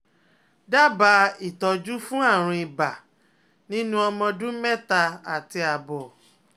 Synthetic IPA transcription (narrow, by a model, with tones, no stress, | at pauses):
da˦ba˧i˨tɔ˧d͡ʒu˦fũ˦a˦˨ɾ̃ĩ˧i˨ba˨ | nĩ˦nũ˦ɔ˧mɔ̃˧dũ˦mɛ˦˨ta˧a˨ti˧a˨bɔ˨